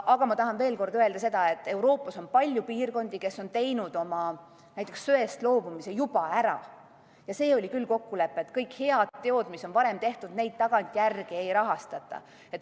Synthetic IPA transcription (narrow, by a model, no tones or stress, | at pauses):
ʔɑɡ̥ɑmɑt̪ɑɦɑnve̞ːlko̞rd̪øe̞ld̪ɑse̞d̪̥ɑe̞t̪ːˑe̞wɾo̞ːpːˑɑso̞npɑlʲjupiːrko̞nd̪̥ike̞sːo̞nt̪e̞jnud̪̥o̞mɑ | næjt̪ːˑeksːøe̞st̪lo̞ːb̥umise̞jub̥ɑæɾɑ̰ | jɑse̞ːo̞lʲikylːko̞kːule̞pːˑet̪ːkɤjkhe̞ɑd̪t̪ːe̞o̞d̪misːo̞npɑɾe̞mt̪e̞ht̪ud̪̥ne̞jd̪̥̚t̪ɑɡ̥ɑnt̪ʲˑjærɡ̥iejɾɑɦɑst̪ɑt̪ːˑɑ̰ | e̞t̪ːˑ